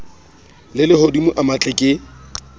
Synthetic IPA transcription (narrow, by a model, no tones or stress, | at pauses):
lɪlɪhodimʊʔamat͡ɬʼɛkʼɪ